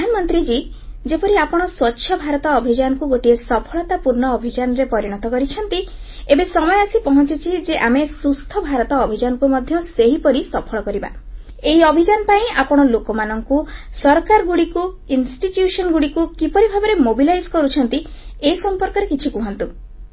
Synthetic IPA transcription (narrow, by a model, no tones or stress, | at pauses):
anɔmɔnt̪ɾid͡ʒi | d͡ʒepɔɾiapɔɽ̃ɔswɔtːʃʰjɔbʱaɾɔt̪ɔːbʱid͡ʒanɔkuɡoʈiesɔpʰɔɭɔt̪apuɾɳɔːbʱid͡ʒanɔɾepɔɾiɽ̃ɔt̪ɔkɔɾit͡ʃʰɔnt̪i | ebesɔmɔjeɔsipɔɦɔt͡ʃit͡ʃʰid͡ʒeʔamesust̪ʰɔbʱaɾɔt̪ɔːbʱid͡ʒanɔkumɔd̪ʱjɔseɦipɔɾisɔpʰɔɭɔkɔɾiba̰ | eɦiɔbʱid͡ʒanɔpaĩapɔɽ̃ɔlokɔmanɔŋkusɔɾkaɾɔɡuɽiku | insʈiʈjusɔnɔɡuɽikukipɔɾibʱabɔɾemobilajskɔɾut͡ʃʰɔnt̪iesɔmpɔɾkɔɾekit͡ʃʰikuɦɔnt̪u